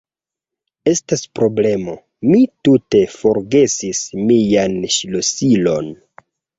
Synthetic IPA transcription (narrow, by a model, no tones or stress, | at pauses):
e̞staspɾo̞ble̞mo̞ | mitute̞fo̞ɾɡe̞sismijanʃilosilo̞̰n